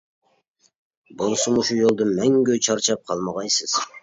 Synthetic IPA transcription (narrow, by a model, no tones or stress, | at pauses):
bolˠsumuʃujolˠd̪ʊmæŋɡʲøt͡ʃʰɑɾt͡ʃʰɑp̚qʰɑlˠmɑʁɑjsɨz̥